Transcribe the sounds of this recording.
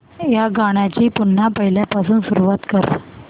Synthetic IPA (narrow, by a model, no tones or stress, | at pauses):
jaɡaɽ̃at͡ɕiːpun̤ːapəɦiljapas̬uːnsuɾuʋat̪kəɾ